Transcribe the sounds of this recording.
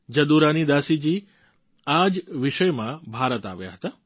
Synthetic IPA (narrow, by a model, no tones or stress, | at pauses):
d͡ʒɐd̪uɾanid̪aːsid͡ʒi | ad͡ʒʋɪʃəjmãbʱaːɾət̪a̰ʋja̰ɦət̪a